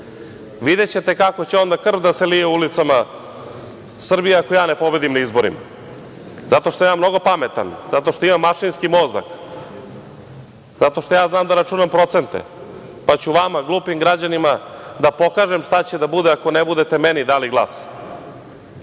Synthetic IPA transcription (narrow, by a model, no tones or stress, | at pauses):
ʋid̪et͡ɕe̞t̪e̞kakot͡ɕeo̞nd̪akr̩ʋd̪aselijeulit̪sama | sr̩bijeakojaːnepo̞be̞d̪imnaizboɾḭma̰ | zat̪o̞ʃt̪amjaːmno̞ɡo̞pamet̪a̰nz̥at̪oʃt̪oimamːaʃinskimoːza̰k | zat̪o̞ʃt̪o̞jaːznaːmd̪aɾat͡ʃunampɾo̞t̪se̞nt̪ḛ | pat͡ɕuʋamaɡlˠuːpimɡɾad͡ʑanimad̪apo̞kaːʒemʃt̪at͡ɕed̪abud̪eako̞nebud̪e̞t̪emenid̪aːliɡlˠa̰ːs